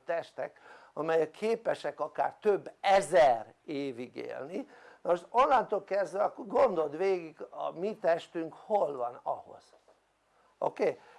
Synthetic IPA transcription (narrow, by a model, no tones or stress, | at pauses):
t̪ɛʃt̪ɛk | ɒmɛjɛkʰeːpɛʃɛkɒka̰ːrt̪øbːɛzɛreːviɡḛːlni | nɒmoʃo̞nlant̪oːlkɛzd̪ʋɛɒkːoɡo̞nd̪o̞d̪ʋeːɡiɡɒ̰mit̪ɛʃt̪yŋkho̞lvɒnɒ̰ho̞̰z̥ | ʔo̰keː